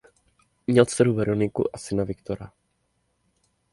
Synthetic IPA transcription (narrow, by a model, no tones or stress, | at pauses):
mɲɛlt͡sɛɾuvɛɾonɪkṵʔasɪnavɪkt̪oɾa